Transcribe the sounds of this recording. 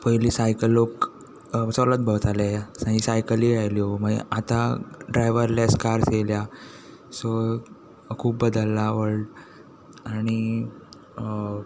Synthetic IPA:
pəjlisajkəlːok | sɔlət̪̚bʱəʋt̪alajasãɦisajkəliːɾajliːɦɔməɡḛʔat̪aɖɾajʋəɾlaskaɾselja | sɔ | kʰuːpbəd̪əlːaʋəɾɖ | aɽ̃i

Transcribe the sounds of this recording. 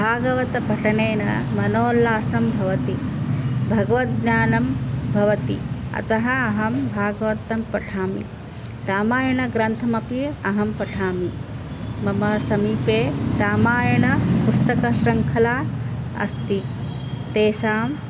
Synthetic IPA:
bʱaːɡɐʋɐt̪ɐpɐʈʰɐneːnɐ̰mɐnoːlaːsɐmbʱɐʋɐt̪i | bʱɐɡɐʋɐt̪̚ɲaːnɐmbʱɐʋɐt̪ḭɐ̰t̪ɐɦɐɐɦɐmbʱaːɡɐʋɐt̪ɐmpɐʈʰaːmḭ | ɾaːmaːjɐɳɐɡɾɐnt̪ʰɐmɐpiɐɦɐmpɐʈʰaːmi | mɐmɐsɐmiːpeːɾaːmaːjɐɳɐpust̪ɐkɐʃɾɐŋkʰɐlaː | ɐ̰st̪i | t̪eːʃaːm

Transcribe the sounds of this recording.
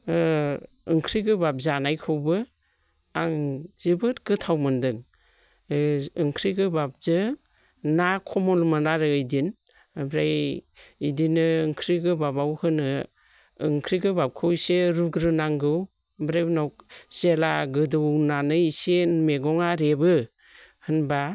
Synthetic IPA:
ɯŋkʰɾiɡɯbap̚zanajkʰɯwbɯ | aŋzibɯt̚ɡ̥ɯtʰawmɯndɯŋ | ɯŋkʰɾiɡɯbap̚zɯ | nakʰɔmɔlmɯnaɾɯɯjdin | bɾajidinɯɯŋkʰɾiɡɯbabawhɯnɯ | ɯŋkʰɾiɡɯbap̚kʰɯwseɾuɡɾɯnaŋɡɯw | bɾajbnawk̚zelaɡɯdɯwnanɯjsenmeɡɔŋaɾebɯ | hɯnba

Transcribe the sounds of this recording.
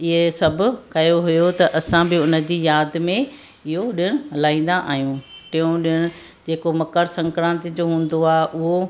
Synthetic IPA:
ɪɦesɐbʱʊ̆kɐjoɦʊjot̪ɐʔɐsãbɪʊnə̆d͡ʑiːjaːd̪mẽ | ɪɦoɗɪɽ̃ʊlaːĩːn̆d̪aʔaːɦijũʈiũɗɪɽ̃ʊ | d͡ʑeːkomɐkəɾsɐ̃ŋkɾãːnt̪d͡ʑoːɦũːn̆d̪oaːeʔʊɦo

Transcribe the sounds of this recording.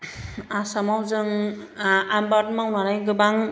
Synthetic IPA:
asamawzɯŋ | ambatmawnaɾajɡɯbaŋ

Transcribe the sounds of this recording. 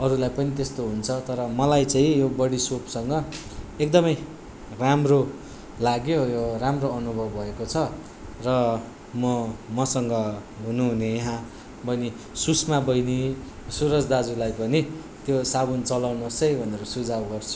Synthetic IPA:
ʌɾulajpʌnit̪est̪oɦunt͡sʰʌt̪ʌɾʌmʌlajt͡sãĩjobʌɽisopsʌŋɡʌ | ek̚d̪ʌmʌj | ramro | laɡjojoramroʌnubʱʌbbʱʌekot͡sʰʌ | rʌ | mʌmʌsʌŋɡʌ | ɦunuɦunejʌɦã | bʌjni | susmabʌjni | suɾʌd͡zd̪ad͡zulajpʌni | t̪josaβunt͡sʌlawnosʌjbʱʌneɾosud͡zawɡʌrt͡sʰu̥

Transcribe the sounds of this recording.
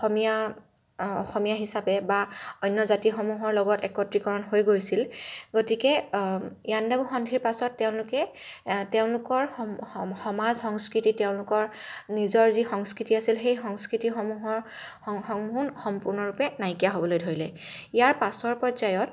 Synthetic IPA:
xɔmija | ɔ̰xɔmijaɦisapɛbaɔjnːɔzatixomuɦɔɹlɔɡɔtɛkɔtɹikɔɹɔnɦojɡojsilɡotikɛ | ijandabuxɔndʱiɹpasɔtːɛʊ̃lʊkɛ | tɛʊ̃nlʊkɔɹ | xɔmazxɔŋskɹititɛʊ̃nlʊkɔɹnizɔɹzixɔŋskɹitiasilxejxɔŋskɹitixɔmuɦɔɹ | ɔŋmunxɔmpuɹnɔɹupɛnajkijaɦobɔlojdʱoɹilɛijaɹpasɔɹpɹɔzajɔt

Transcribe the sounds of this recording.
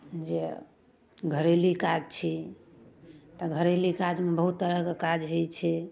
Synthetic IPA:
d͡ʒe | ɡʱəɾelikad͡ʒt͡ʃʰi | t̪ɔɡʱəɾelikad͡ʒmebəɦut̪ːəɾəɦkekad͡ʒɦojt͡ʃʰɛ

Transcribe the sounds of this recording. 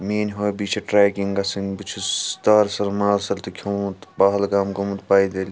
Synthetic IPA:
meːnʲɦoːjbiːt͡ʃʰɐʈɾaːkiŋɡɐsinʲbit͡ʃʰut̪aːɾsɐɾmaːlsɐɾt̪ukʲʰɐmt̪baːɦɐlɡaːmɡomɐt̪paːjd̪eːlʲi

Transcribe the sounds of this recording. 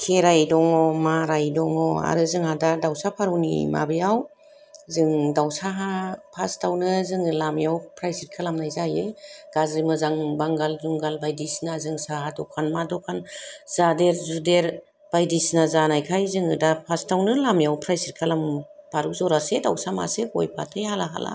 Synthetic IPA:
kʰeɾajdɔŋɔmaɾajdɔŋɔa̰ɾɯzɯŋhadadawsapʰaɾuwnḭma̰bijaw | zɯŋdawsaɦapʰastʰawnɯzɯŋɯlamjawpʰɾajsit̚kʰalamnajzajɯɡ̥azimɯzaŋbaŋɡalzuŋɡalbajdisnazɯŋsahadɔkʰanmadɔkʰanz̥adeɾzudeɾ | b̥ajdisnazanajkʰajzɯŋɯdapʰastawnɯlamjawpʰɾajsit̚kʰalampʰaɾuzɔɾasedawsama̰sekɔ̰jpʰatʰejhalaɦa̰la̰

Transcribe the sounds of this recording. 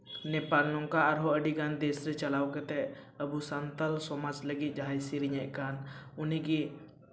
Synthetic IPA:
nɛpalnɔŋkaːɾɦɔəɖiɡand̪esɾɛt͡ʃəlawkɛt̪ɛəbusant̪əlsɔmad͡ʒləɡit̪̚d͡ʒaɦajsiɾiɲɛʔkanʊnɛki

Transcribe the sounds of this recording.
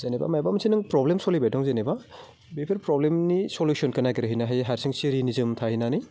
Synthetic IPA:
zeneba̰majbamsʰinɯŋpɾɔblemsolibajdɔŋzeneba | bepʰeɾpɾɔblemnisolusʰɔnkɐnaɡiɾɯɦinaɦajɦaɾsʰiŋsiɾinizɯmtʰaɦhinanij

